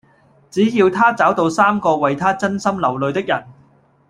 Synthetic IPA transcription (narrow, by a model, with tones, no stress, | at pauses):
t͡siː˨˥jiː˧wt̪ʰaː˥t͡saː˨˥wt̪o˧wsaː˥mkɔː˧wɐ˨jt̪ʰaː˥t͡sɐ˥nsɐ˥mlɐ˨˩wlɵ˨˧ɥt̪ɪ˥k̚jɐ˨˩n